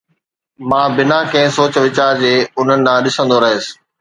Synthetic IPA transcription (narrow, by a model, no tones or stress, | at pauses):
mãːbɪnakɐ̃ɦɪ̃soːt͡ɕʋɪt͡ɕaːɾd͡ʑeːʊn̤ənɪ̆nãːɗɪsə̃nd̪oɾɐɦeːsɪ̥